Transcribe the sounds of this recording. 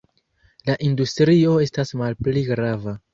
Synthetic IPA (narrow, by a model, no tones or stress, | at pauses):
laʔindustɾio̞e̞stasmalpliɡɾava